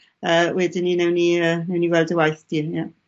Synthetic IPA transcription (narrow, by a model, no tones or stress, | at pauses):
əːwɛdɪninɛwniəːnɛwniɡwɛlˠdəwajθd̥ija